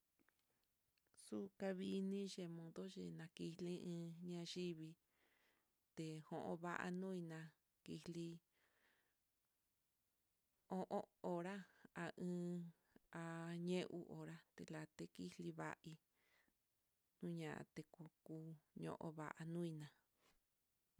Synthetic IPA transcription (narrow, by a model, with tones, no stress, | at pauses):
su˦ka˧βi˧nĩ˦ʒe˧mõ˧ðo˦ʒe˧˨nã˧ki˧lĩ˦ɨ̃ː˧ɲã˧ʒi˦βi˧ | t̪e˧hõ˨˧ʔõ̰˧βa˦˧ʔa̰˧nũ˦i˧nã˧ | ki˧li˧ | õ˦ʔõ˦o˧ɾa˦a˧ɨ̃ː˧ | a˧ɲẽ˦ʔu˦˧ʔo˨ɾa˦t̪e˧˨la˧t̪e˦ki˦li˧βa̰˦ʔi˧ | nũ˦ɲã˨ʔã̰˧t̪e˧ku˧kuː˧˦ɲõ̰˧ʔõ̰˧βa̰˨ʔa˧nũ˦i˧nã˨